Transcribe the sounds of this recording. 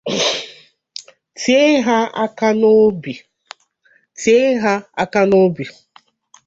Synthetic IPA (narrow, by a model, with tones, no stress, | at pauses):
ti˦e˦ɦa˦a˦ka˦no˦bi˨ | ti˨˦e˦ɦa˦a˦ka˦no˦bi˨